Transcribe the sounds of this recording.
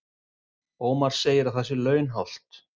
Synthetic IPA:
oːmaɾ̥seːjɪɾawθɛs̬ɪlœːɥnɦawl̥t̪

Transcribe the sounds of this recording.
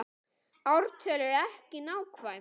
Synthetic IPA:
awɾt̪ʰœːlʏɾɛhcɪnaːwkʰvaj

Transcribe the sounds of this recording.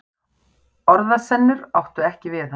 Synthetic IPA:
ɔɾðasɛnːʏɾawht̪ʏɛhcɪvɪθa

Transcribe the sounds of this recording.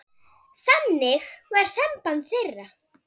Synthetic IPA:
θanːɪxvaɾ̥sɛmpant̪θɪrːa

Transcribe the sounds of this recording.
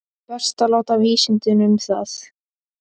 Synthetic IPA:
pɛr̥st̪alawt̪aviːsɪnt̪ɪnʏmθaθ

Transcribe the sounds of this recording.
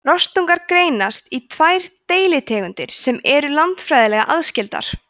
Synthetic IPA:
rɔst̪uŋkaɾkɾeːjnast̪it̪ʰvaːjɾ̥t̪eːjlɪt̪ʰɛːɣʏnt̪ɪɾ̥sɛmɛɾʏlant̪fɾajðɪlɛɣaʔaðscɪlt̪a̰ɾ̥

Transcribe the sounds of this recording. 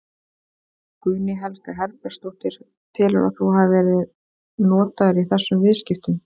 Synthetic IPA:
kʏːnɪɦɛlt̪aɦɛɾpɛ̥st̪uht̪ɪɾ̥ | t̪ʰɪlɾa̰θuɦavvɛːɾɪð | nɔːt̪aðɾiθɛsːʏmvɪðscɪft̪ʏm

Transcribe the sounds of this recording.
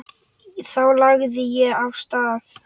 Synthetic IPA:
θawlaɣðɪjɛavst̪aːθ

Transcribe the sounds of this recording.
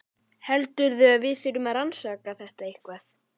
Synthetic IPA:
hɛlt̪ʏɾðʏaðvɪðfɪɾʏmaðɾansaːkaθɛht̪aihkvaθ

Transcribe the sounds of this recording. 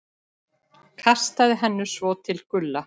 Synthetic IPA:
kʰast̪aðɪɦɛnːʏsvɔːt̪ʰɪlkʏlːa

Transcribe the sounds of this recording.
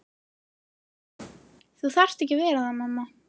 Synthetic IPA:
θuθar̥st̪ɛhcɪvɛːɾaðamːamːa

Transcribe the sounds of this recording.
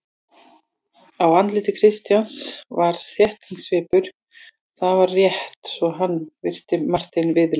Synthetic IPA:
awvant̪lɪːt̪ɪkʰɾɪst̪jansvaɾ̥θjɛht̪iŋsvɪːpʏɾ̥ | θaðvaɾrjɛht̪svɔɦanːvɪr̥t̪ɪmar̥t̪ɪnvɪð

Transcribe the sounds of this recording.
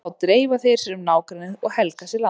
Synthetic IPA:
awt̪ɾeːjvaθejɾ̥sɛnʏmnaːwkɾanɪðɔɣhɛlkasɛɾla

